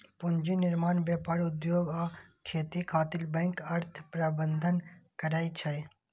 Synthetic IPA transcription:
pʊnd͡ʒinɪɾmaːnbjapaːɾʊd̪joːɡaːkʰeːt̪ikʰaːt̪ɪlbɛ̃ŋkɐɾt̪ʰpɾəbənd̪ʱənkəɾaːit͡ʃʰɐj

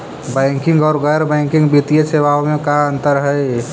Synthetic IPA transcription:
bə̃ŋkɪ̃ŋɡɔːɾɡəjɾbɛ̃ɪŋkɪ̃ŋɡbit̪ijeseʋaomẽkaənt̪əɾɦəj

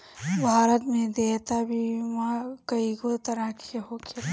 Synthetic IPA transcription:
bʱaːɾət̪mẽd̪eːt̪abʱimãkəikot̪ɐɾakeɦoke

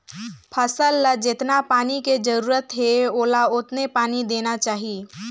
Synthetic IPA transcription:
pʰəsəlːəd͡ʒɪt̪napaːniked͡ʒəɾuːɾət̪ɦeoːlaʊt̪nepaːnid̪eːnat͡ʃaːɦi

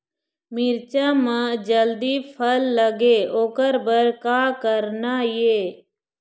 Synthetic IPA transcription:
mɪɾt͡ʃãːmãːd͡ʒəld̪iːpʰəlːəɡeːoːkəɾbəɾkaːkəɾnaːjeː

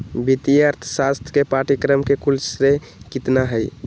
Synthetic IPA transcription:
bit̪ijaɾt̪ʰsast̪ʰkepaʈikɾəmkekulsɾe | kit̪naɦəj

